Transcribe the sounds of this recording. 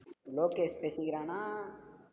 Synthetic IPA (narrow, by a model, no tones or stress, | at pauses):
loːkespesiɡɾaːna